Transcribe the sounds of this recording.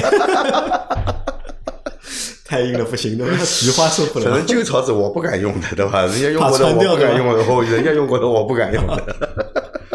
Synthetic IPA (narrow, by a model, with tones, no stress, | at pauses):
t̪ʰa˥˧ɪi˥˧ŋd̪ə˩pu˥˩ɕi˧˥ŋt͡ɕ̪t̪ʰa˥˩t͡ɕi˧˥xwa˥ʂu˥˧fʰu˥˩lə˨˩nə˧˥ŋt͡ɕjo˥˧ʊt͡sʰɑ˧˥t͡sɹ̩˨˩wɔ˨˩pu˥˩ka˨˩njʊ˥˩ŋd̪ə˩t̪e˥˧ɪba˧ɻə˧˥nt͡ɕja˥jo˥˧a˨˩˧ɔ˧˥d̪əa˥nw̪jʊ˥ka˨˩jʊ˥˩ŋə˧˩xo˥˩ʊɻə˧˥nt͡ɕja˥jʊ˥˧ŋkwd̪ə˧wɔ˨˩pu˥˩ka˨˩njʊ˥˩ŋd̪ə˩